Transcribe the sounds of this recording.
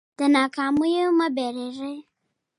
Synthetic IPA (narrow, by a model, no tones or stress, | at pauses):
d̥ənakʰamujemabɛɾɛɾɛ